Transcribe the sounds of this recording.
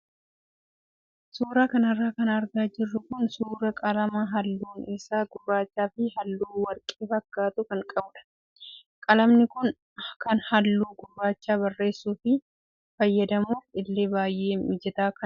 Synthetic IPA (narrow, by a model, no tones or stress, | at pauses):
suːɾaːkɐnɐrːaːkɐnɐɾɡaːd͡ʒɪrːʊkʊnsuːɾɐkʼɐlɐmɐɦɐlːuːnɛsaːɡʊrːaːt͡ʃːaːfɪhɐlːuːwɐɾkʼeːfɐkːaːt̪ʊkɐŋkʼɐbᶑɐ̥ | kʼɐlɐmnɪkʊn | kɐnhɐlːuːɡʊrːaːt͡ʃːaːbɐrːe̞ːsːuːfɪ | fɐjːɐd̪ɐmuːfɪlːe̞ːbaːjʔe̞ːmɪd͡ʒɛt̪aːkɐn